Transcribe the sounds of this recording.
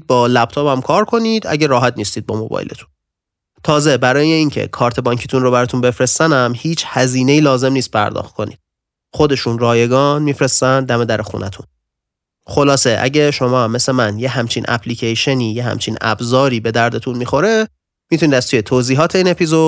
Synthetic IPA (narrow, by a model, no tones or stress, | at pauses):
bɒːlæp̚t̪ʰɒːbæmkʰɒːɾkʰo̞niːd̪̥æ̰ɟeɾɒːɦæt̪̚ʰniːst̪iːd̪̚bɒːmo̞bɒ̰ːj̰le̞̰t̪ʰu̥n | t̪ʰɒːze̞bæɾɒːje̞iːŋcʰe̞̰kʰɒːɾt̪ʰe̞bɒɲcʰiːt̪ʰunro̞bæɾɒːt̪ʰunbe̞fɾe̞st̪ænæmhiːt͡ʃʰhæziːne̞jiːlɒːze̞mniːst̪̚pʰæ̰ɾd̪ɒ̰ːxt̪̚kʰo̞̰nḭd̪̥ | χo̞d̪e̞ʃunrɒːje̞ɡɒːnmifɾe̞st̪ænd̪æme̞d̪æɾexṵnæt̪ʰṵn | xo̞lɒːseʔæ̰ɟeʃo̞mɒːme̞semænjeɦæmt͡ʃʰinʔæ̰pʰliːcʰejʃe̞niːjeɦæ̰mt͡ʃʰinæ̰bzɒːɾiːbe̞d̪æɾd̪e̞t̪ʰunmixo̞ɾe | mit̪ʰunid̪æz̥t̪ʰuːjet̪ʰoziːɦɒːt̪ʰe̞iːne̞pʰizo̞d̪